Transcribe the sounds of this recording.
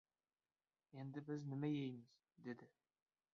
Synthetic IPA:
end̪ɪbɪznɪmæjejmɪz̥ | d̪ed̪ɪ

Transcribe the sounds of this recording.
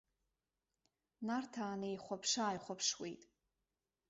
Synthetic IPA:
nartʰaːnejχʷapʰʂaːjχʷapʰʂwḛjtʼ

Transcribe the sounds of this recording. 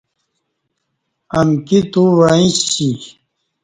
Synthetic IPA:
ɐmkit̪uwaĩɕi

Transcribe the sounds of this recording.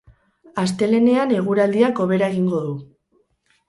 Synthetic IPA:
ast̪e̞le̞ne̞ane̞ɣ̞uɾald̪iako̞β̞e̞ɾaeɣ̞iŋɡo̞ðu

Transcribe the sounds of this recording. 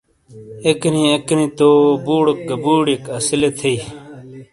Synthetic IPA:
eknĩeknĩːt̪oːbuːɽək̚ɡəbuːɽikɐsilet̪ʰei

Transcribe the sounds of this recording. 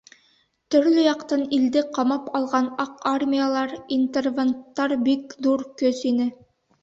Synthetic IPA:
t̪ɵ̆ɾlɵjɑqt̪ɑnild̪ɘqɑmɑpɑlˠʁɑnɑqarmʲijalˠɑɾint̪ervant̪ːɑɾbikðuɾkɵsinɘ

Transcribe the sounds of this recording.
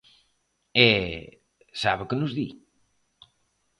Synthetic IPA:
ɛ | saβɪkɨnuzðḭ

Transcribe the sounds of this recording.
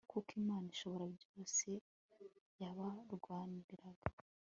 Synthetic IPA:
kukimaːniʃo̞βo̞ɾabɟo̞ːse̞ | jaβaɾɡwaːndiɾaɡ̥ḁ

